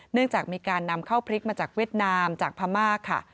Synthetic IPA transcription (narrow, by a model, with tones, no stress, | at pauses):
nɯ˥˩əŋt͡ɕaː˨˩k̚miː˧kaː˧nːa˧mkʰa˥˩wpʰɾi˦˥k̚maː˧t͡ɕaː˨˩k̚wi˥˩ət̪̚naː˧mt͡ɕaː˨˩k̚pʰaː˧maː˥˩kʰːa̰˥˩